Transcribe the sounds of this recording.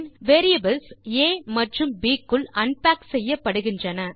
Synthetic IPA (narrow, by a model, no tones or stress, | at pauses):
nʋeːɾɪjɐbɐlseːmɐʈrɯmbiːkːɯɭɐnpaːksɛjːɐpːɐɽɯɣɪndrɐnɐ